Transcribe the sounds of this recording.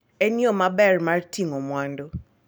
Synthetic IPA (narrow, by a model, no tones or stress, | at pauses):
ɛnjɔmabɛrmartʰiŋomwando